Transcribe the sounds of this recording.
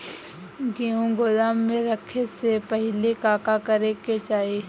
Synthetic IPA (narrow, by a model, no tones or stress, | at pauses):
ɡiũɡʊlaːmːẽɾəkʰesepəɦlekaːkakəɾeket͡ʃaːe